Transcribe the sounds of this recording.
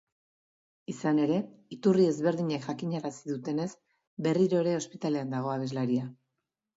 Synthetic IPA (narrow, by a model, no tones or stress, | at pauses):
isane̞ɾe̞it̪urie̞zβe̞ɾðiɲekʝakiɲaɾasiðut̪e̞ne̞z | be̞riɾo̞eɾe̞o̞spit̪ale̞and̪aɣ̞o̞aβ̞e̞zlaɾia